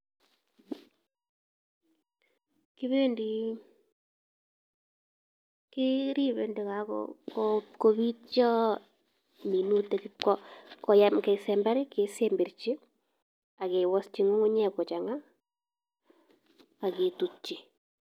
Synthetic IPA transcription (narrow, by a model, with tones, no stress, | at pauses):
kɪ˦βe˦ndi˨ | kɪ˦ɾi˦βe˨nde˨ka˨kɔ̰kɔ˦ko˦βi˦t̚t͡ʃɔ˦ | mi˨nu˦te˨kkɔ˦kɔ˨ja˦mkɛ˨sɛ˨mba˦ɾɪ˦ke˨se˦mbi˨ɾt͡ʃi˦ | a˨ke˨wɔ˦st͡ʃi˦ŋu˦ŋu˦ɲɛ˦kɔ˨t͡ʃa˨ŋa˦ | a˨ke˨tu˨t͡ʃi˨